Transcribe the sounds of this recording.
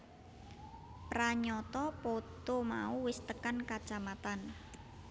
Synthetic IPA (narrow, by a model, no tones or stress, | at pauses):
pɾaɲɔt̪ɔpot̪oma̰uwɪst̪əkankat͡ʃamat̪an